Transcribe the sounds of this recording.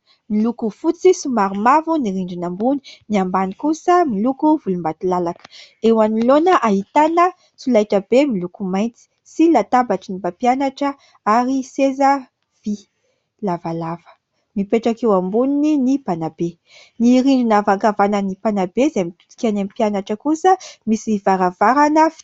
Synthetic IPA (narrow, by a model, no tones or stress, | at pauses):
milukufut͡sisumaɾimavuniɾiɳɖ͡ʐinambuni̥niambanikusəmilukuvulumbat̪ilalakə̥ewanilonəʔaɦit̪anə | sulajʈ͡ʂəbemilukumajnt͡si̥ | silat̪abaʈ͡ʂinibapianaʈ͡ʂə | aɾisezə | v̥i | lavalavə̥ | mipeʈ͡ʂakewambunininipanabe | niɾiɳɖ͡ʐinavaŋkavanənipanabezemit̪u̥t̪i̥kʲanamipianaʈ͡ʂəkusəmisivaɾavaɾanə